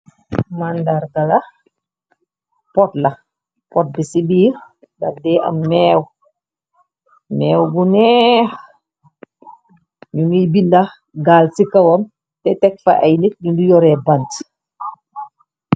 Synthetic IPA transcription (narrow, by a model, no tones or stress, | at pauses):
mandaɾɡɐlɐ | pɔtlɐ | pɔt̚bisibiː | dɐfdɛʔɐ̰mːɛːw | mɛːwbunɛx | ɲunɡibindɐx | ɡaːlsikɐwɐm | tɛtɛk̚fa̰ʔɐjnik̚ɲundujɔɾɛbɐnt